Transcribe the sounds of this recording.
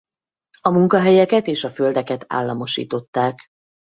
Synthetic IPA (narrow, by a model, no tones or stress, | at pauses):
ɒmuŋkɒɦɛjɛkɛt̪eːʃɒføld̪ɛkɛt̪a̰ːlːɒ̰mo̞ʃḭːt̪o̞t̪ːaːk